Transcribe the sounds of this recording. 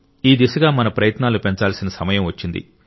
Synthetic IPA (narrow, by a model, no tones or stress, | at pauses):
iːd̪isɐɡaːmɐnɐpɾɐjɐt̪naːlupe̞ɲt͡ʃaːlsinɐsɐmɐjɐmʋɐt͡ʃːind̪ḭ